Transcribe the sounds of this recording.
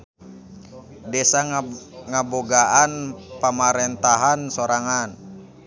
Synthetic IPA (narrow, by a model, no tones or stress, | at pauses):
dɛsaŋaboɡaʔanpamaɾɛnt̪aɦansoɾaŋan